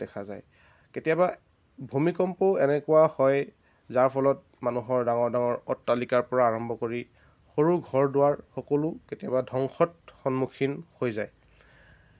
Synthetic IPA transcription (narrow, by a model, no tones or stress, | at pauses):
dɛkʰaza̰j | ketijaba | bʱumikɔmpɔɛnɛkʊwahɔj | zaɹpʰɔlɔt̚ | manuɦɔɹdaŋɔɹdaŋɔɹɔtːalikaɹpɔɹaːɹɔmbʱɔkoɹi | xoɹuɡʱɔɹdʊaɹxɔkolʊketijabadʱɔŋxɔt̚xɔnmukʰinhojzaj